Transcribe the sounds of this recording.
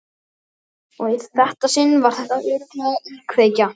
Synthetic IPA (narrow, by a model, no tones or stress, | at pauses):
ɔɣið̥θɛht̪asɪnvaɾ̥θɛht̪aʏːɾt̪aikʰveːjca